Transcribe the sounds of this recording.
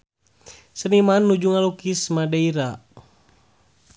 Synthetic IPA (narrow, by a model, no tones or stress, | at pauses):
sənimanːud͡ʒuŋalukismadaiɾa